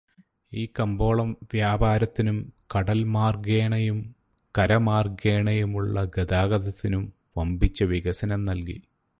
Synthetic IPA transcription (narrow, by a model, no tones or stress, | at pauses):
iːkɐmbo̞ːɭɐmʋjaːbaːɾɐt̪ːinumkɐɽɐlmaːrɡeːɳɐjum | kɐɾɐmaːrɡeːɳɐjumuɭːɐɡed̪aːɡɐd̪ɐt̪ːinum | ʋɐmbit͡ɕːɐʋiɣɐsɐnɐmnɐlkḭ